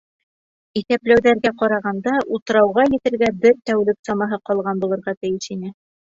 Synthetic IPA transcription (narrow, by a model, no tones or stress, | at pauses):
iθæplæwðæɾɡæqɑɾɑʁɑnd̪ɑʔut̪ɤ̆ɾɑwʁɑjɘ̆t̪ɘ̆ɾɡæbɘɾt̪æwlɘksɑmɑɦɤqɒlˠʁɑnbulˠɤ̆ɾʁɑt̪ɘ̆jɘʃinɘ